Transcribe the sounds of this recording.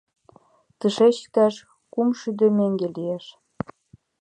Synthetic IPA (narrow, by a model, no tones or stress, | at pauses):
t̪ɨʃet͡ɕk̪æʃ | kumʃyd̪ømeŋɡelijeʃ